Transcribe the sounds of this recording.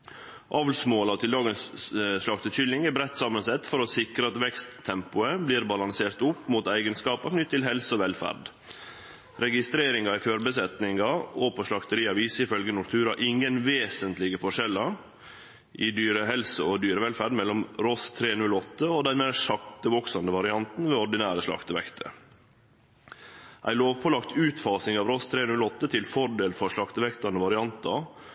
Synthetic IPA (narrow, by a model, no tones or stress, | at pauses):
ʔɑʋlsmoːlɑʋt̪ʰɪldɑːɡənsʂlɑkt̪ət͡ʃʏlːɪŋɛbɾɛt̪ːsɑmːənsɛt̪ːfɔɾɔsɪkɾəɑt̪ʋɛkst̪ʰːɛmpʊəbliːɾbɑlɑŋseːɾt̪ʊpːmuːt̪æɪɡənskɑːpɑknʏt̪ʰːɪlɦɛlsəɔʋɛlfæ̰ɾɖ | ɾɛɡɪst̪ɾeːɾɪŋɑɪføːɾbəsɛt̪nɪŋɑɔpʰɔʂɭɑkt̪əɾiːɑʋiːsəɪfœlɡənʊɾt̪ʰʉːɾɑʔɪŋənʋeːsənt̪lɪɡəfɔʂɛlɑ | ʔɪd̪yːɾəɦɛlsəɔd̪yːɾəʋɛlfæːɖmɛlːɔmɾɔst̪ʰɾeːnʉlɔt̪ːəod̪æɾmeːʂɑkt̪əʋɔksɑnəʋɑɾɪɑnt̪n̩ʋeːɔɖɪnæːɾəʂlɑ̰kt̪əʋɛ̰kt̪ʰə̰ | ʔæ̰ɪloːʋpʰɔlɑkt̪ʉːt̪fɑːsɪŋɑʋɾɔst̪ʰɾeːnʉlɔt̪ːət̪ʰɪlfɔɾɖ̪eːlfɔɾʂlɑkt̪əʋɛkt̪ɑnəʋɑɾɪɑnt̪ʰɑ